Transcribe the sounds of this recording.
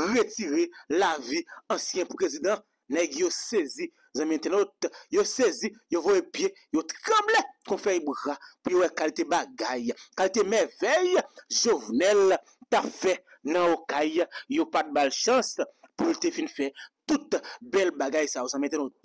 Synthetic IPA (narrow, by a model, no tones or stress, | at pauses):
ʁetiʁelaviɐ̃sjɛ̃pʁezid̪ã | nɛɡjosezi | zãmɛ̃t̪ɛnot̪josezijovojepje | jot̪ʁʌ̃blekɔ̃fɛbʁapujowɛkalit̪ebaɡajkalit̪emɛvɛjʒovnɛl | tapfɛ | nɐ̃okajjopat̪̚balʃãspult̪efinfɛt̪ut̪bɛlbaɡajsajozãmɛ̃t̪ɛnot̪̚